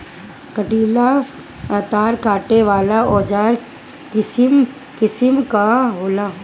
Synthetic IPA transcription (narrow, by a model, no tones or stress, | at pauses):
kɐʈiːla | t̪aːɾkaːʈeʋaːlaɔːd͡ʒaːɾ | kɪsm | kɪsəmkaɦoːla